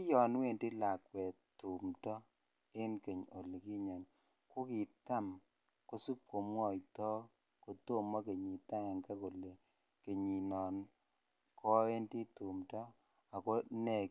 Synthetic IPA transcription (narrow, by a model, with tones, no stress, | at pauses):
jɔ˨n˦we˦˨ndi˦la˨kwɛ˨ | tu˨mtɔ˦ | e˦nke˨ɲo˨li˨ki˦ɲa˨n | ko˦ki˨ta˦˨m | ko˦su˦kːo˨mwɔ˦˨jtɔ˦ | ko˨to˦ma˦ke˨ɲi˨ta˦a˨ŋka˦ko˨le˨ | ke˨ɲi˨nɔ˨n | kʰɔ˦e˦ndi˦tu˨mtɔ˦ | a˨ko˦nɛ˦˨